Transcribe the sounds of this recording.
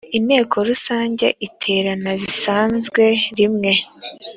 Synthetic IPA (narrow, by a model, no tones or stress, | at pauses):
inhe̞ːkʰo̞ɾusaːɲɟe̞̰ʔitʰe̞ɾanaβisaːnzɡwe̞ɾimŋe̞